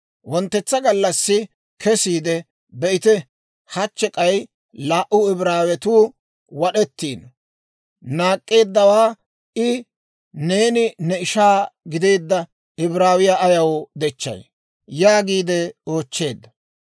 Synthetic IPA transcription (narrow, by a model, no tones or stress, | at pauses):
wɔnt̪ːɛt͡sːɐɡɐlːɐsːɪ | kʰɛsiːd̪ɛ | bɛʔɪt̪ɛ | hɐt͡ʃːɛkʼɐj | laːʔʊɪbɾaːwɛt̪uː | wɐɗɛt̪ːiːn | naːkʼːe̞ːd̪ːɐwaː | ʔɪ | ne̞ːnɪnɛɪʃaːɡɪd̪e̞ːd̪ːɐ | ɪbɾaːwɪjaːjɐwd̪ɛt͡ʃːɐ̰j | jaːɡiːd̪ɛo̞ːt͡ʃːe̞ːd̪ːɐ